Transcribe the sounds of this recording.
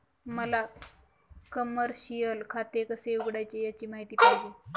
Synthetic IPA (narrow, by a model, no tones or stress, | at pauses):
məla | kəməɾɕijəlkʰat̪ekəseuɡɽajt͡ɕijat͡ɕiːmaɦit̪iːpajd͡ʑiː